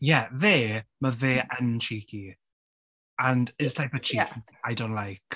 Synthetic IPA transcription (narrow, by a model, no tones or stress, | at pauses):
jɛðeːməveːʔənt͡ʃʰiːkʰi | ə̃ndɪstʰajpət͡ʃʰik | ajdõʊ̃nʔlajk